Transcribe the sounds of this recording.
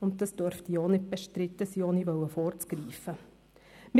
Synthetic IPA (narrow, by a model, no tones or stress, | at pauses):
ʊnt̚d̥ɑsd̥œɾftionɪt̚b̥ɛʃtɾɪt̪ːəsiːɔniʋœwəfɔɾt͡skɾiːfə | m